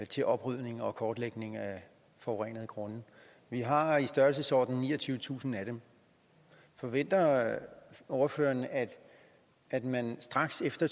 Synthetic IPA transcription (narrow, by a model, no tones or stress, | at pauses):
t͡sʰe̝lʔɒ̽b̥ʁyð̰ˠne̝ŋɒ̽kʰɒːd̥leɡ̥ne̝ŋæ | fɒʊʁɛnəðˠɡ̥ʁɔ̽nə | ʋiɦɑ̈isd̥ɶɐlsəsɒ̰ːd̥n̩nḭːɒt͡sʰyːʊət͡sʰṵːsn̩æd̥em | fɒ̽ʋen̰d̥ɐ | ɒʊɐfø̰ːɐnæ̥ | æd̥mænsd̥ʁɑ̈ɡ̥sefd̥ɐ